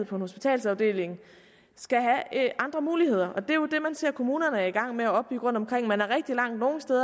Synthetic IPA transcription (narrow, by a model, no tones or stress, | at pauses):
ð̰ˠpʰɒ̽enho̝sb̥it͡sʰɛ̰ːlsɑ̈ʊd̥e̝̰ːle̝ŋ | sɡ̥æɦæʔɑ̈nd̥ʁɐmuːlihe̝ð̞̰ˠɐʔɒ̽d̥e̝jo̝d̥e̝mænse̝ɐ̰kʰo̝muːnɐnəæɐiɡ̥ɑ̈ŋ̰meæɒ̽b̥yɡ̥ʁɔ̽nd̥ɒ̽mkʰʁeŋ̰mænæɐʁɛɡ̥̚d̥ilɑ̈ŋ̰d̥no̝ːn̩sd̥eːðˠɐ